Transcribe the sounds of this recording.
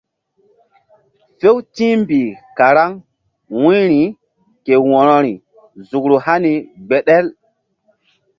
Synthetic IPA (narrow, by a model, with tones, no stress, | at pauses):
fe˦wtĩ˦mbi˨ka˨ɾa˦ŋ | wũ˦ɾi˨ | ke˨wɔ˨ɾɔ˨ɾi˨ | zu˨kɾo˨ha˦ni˨ɡ͡be˨ɗɛ˦l